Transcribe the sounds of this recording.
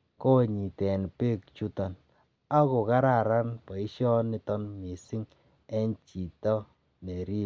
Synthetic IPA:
ko˦ɲi˨tɛ˨n˨pe˦kt͡ʃu˦ta˨n | a˦ko˨ka˦ɾa˦˨ɾa˦npɔ˨i˦ʃɔ˦ni˦˧tɔ˦nmi˨si˦ŋ | ɛ˦nt͡ʃi˨tɔ˦ | ne˨ɾi˦

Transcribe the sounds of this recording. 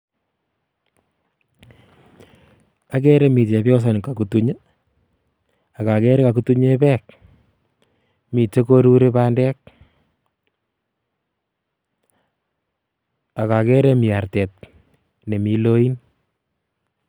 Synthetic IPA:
a˨kɛ˦ɾe˦mi˨te˨pjɔ˦s̬a˨nka˨ku˨tu˦ɲə˦ | a˨ka˨kɛ˦ɾe˦ka˨ku˦tu˦ɲe˦pɛː˦k̚ | mi˨t͡ʃe˦ko˦ɾu˦ɾe˦pa˦ndɛ˦k̚ | a˨ka˨kɛ˦ɾe˦mi˨a˨ɾtɛ˨t̚ | ne˨mi˨lo˦i˦n

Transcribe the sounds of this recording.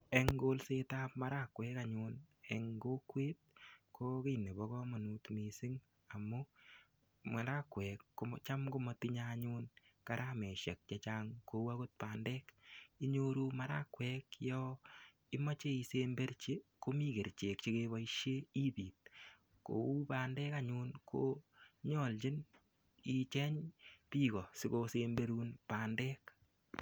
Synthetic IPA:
e˨ŋɡo˦lse˦ta˦p̚ma˦ɾa˦kwɛː˦kaɲʊne˨ŋɡo˦kweː˦t̚kʰo˦ke˦ne˨βɔ˦kɔ˦mɔ˨nu˨tmi˨sɪ˦ŋ | a˨mʊ˦ | ma˨ɾa˦kwɛ˨kːot͡ʃa˦mkʊ˦mɔ˦tɪ˦ɲaɲʊnka˨ɾʔamɛ˨ʃɛ˨k̚t͡ʃɛ˦t͡ʃaː˦ŋko˧wa˦ko˦t̚pa˨ndɛː˦ki˦ɲo˦ɾuː˦maɾa˦kwɛkjɔ | ɪ˦ma˦t͡ʃe˦i˧se˦mbe˦ɾt͡ʃe˦ko˦mi˦ke˨ɾt͡ʃe˨k̚t͡ʃe˦keβa˦iʃje˦i˦piː˨t̚ | ko̰˨u˦paː˨ndɛː˦ka˦ɲu˦nkʰo˦ɲɔ˨lt͡ʃɪ˦n | i˨t͡ʃɛ˦ɲpi˦kɔ˨sɪ˦kosembe˦ɾuː˦npaː˨ndɛː˦k

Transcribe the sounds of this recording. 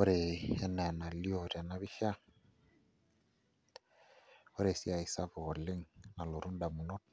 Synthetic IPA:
o˦ɾe˨ɛ˦nɛ˨na˨li˦o˦˨ɾa˨na˦βi˦ʃa˦ | o˦ɾe˨si˦a˨i˨sa˦βo˨le˦ŋna˨lo˨ɾu˦nda˨mu˨no˦t̚

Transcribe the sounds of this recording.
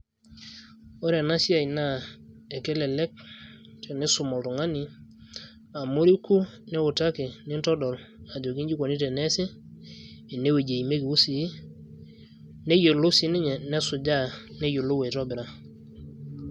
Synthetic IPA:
o˦ɾɛ˨na˦si˦a˨i˨na˦˨ | ɛ˨kɛ˦lɛ˨lɛ˦k̚ | tɛ˨nɛ˦sʊ˨mɔ˨ltu˨ŋa˦ni˨ | a˨mo˦ɾi˦ku˦nɛ˦ʊ˨ta˦kɪ˨nɪ˦ntɔ˦dɔ˨la˨d͡ʒo˨ki˦ɲd͡ʒi˦ko˨ni˦te˨nɛ˦sɪː˦˨ | ne˦we˨d͡ʒe˨i˨me˦ki˨u˦si˨˦ | ne˦jo˨lo˦si˨˦nɪ˦ɲɛ˨nɛ˦sʊ˨d͡ʒa˦˨ne˦jo˨lo˦we˨tɔ˦bɪ˨ɾa˦

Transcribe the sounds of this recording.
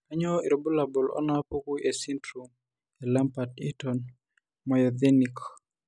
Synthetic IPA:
a˦ɲɔi˨ɾɔbu˦la˨bɔ˨lɔ̰˦na˦po˦ku˦ʔe˨si˦ntɾu˨m | ɛla˦mpati˦tɔn | mɔ˨jɔdɛnik

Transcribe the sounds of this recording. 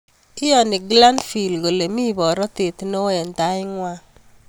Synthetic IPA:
kɪ˦jɔ˨ni˨ɡla˦nfi˨lɡo˨le˨mi˦bɔ˨ɾɔ˦te˨t̪no˦e˨nta˦ɪ˦ŋwa˦

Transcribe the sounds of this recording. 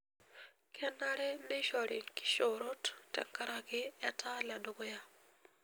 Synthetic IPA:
kʰɛ˦na˦ɾɛ˦me˦ʃɔ˨ɾɪ˨kɪ̥˦ʃo˨ɾo˦ttɛ̰˨ŋka˦ɾa˦ɡɪ˦ɛ˦tʰa˦la˨do˨ɡo˦ja˦

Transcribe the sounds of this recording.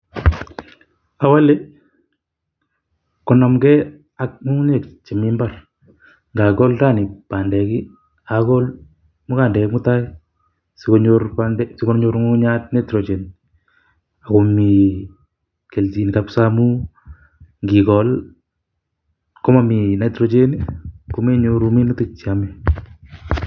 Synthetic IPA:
a˨wa˦le˦ | kɔ˨na˨mɡɛ˦ | a˦k̚mu˦ŋ˦ɲe˨kt͡ʃe˨mɪ˦mba˦r | ŋɡa˨kɔ˦lta˦nɪ˨paː˨ndɛ˨ki˦ | a˨kɔ˦l | mʊ˦ka˨ndɛ˨kmu˦ta˦ɪ | sikoɲoɾpandɛsiko˦ɲoɾŋoɲa˦tne˦tɾo˨d͡ʒe˨n | a˨ko˨mi˨ | ke˨lti˨ntapsamu˦ | ŋɡi˨kɔl | ko˦ma˨mi˨na˨tɾo˨d͡ʒe˦niko˨me˦ɲoɾumi˦nu˦tɪ˦k̚t͡ʃiami˨

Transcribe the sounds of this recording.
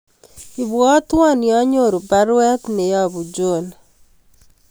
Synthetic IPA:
i˨βwɔ˦twa˦nja˦ɲo˦˨ɾu˨ba˦ɾwɛ˦tne˨ja˦βu˨d͡ʒo˨n

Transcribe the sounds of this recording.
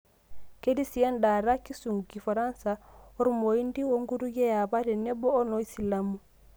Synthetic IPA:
ke˦di˦si˨a˦nda˨ɾa˦ki˦su˨ŋɡu˨ki˨fa˨ɾa˦nsa˨ɔ˦ɾu˦mo˨i˦ndi˦wo˦ŋɡu˦ɾu˦ɡɛ˦ja˨ba˦ɾɛ˨nɛ˦bɔː˦nɔ˦i˦si˨la˦mu˦˨

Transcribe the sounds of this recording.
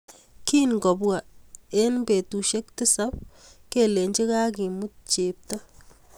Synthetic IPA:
ki˦nɡɔ˨bwa˨e˦nbe˨tu˨ʃe˦k̚tɪ˦sa˦p̚ke˦˨le˨ɲt͡ʃi˦ka˦ki˨mu˦t̚t͡ʃe˨p̚tɔ˦

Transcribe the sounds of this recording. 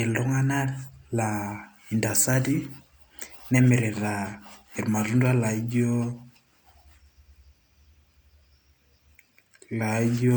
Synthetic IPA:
e˨lɔ˦ŋa˦na˦la˨ | i˨nda˨sa˦di˦ | nɛ˦me˨ɾe˨ɾa˨e˨ɾma˨ɾu˦nda˦la˨i˦d͡ʒo˦ | la˨˦d͡ʒo˦

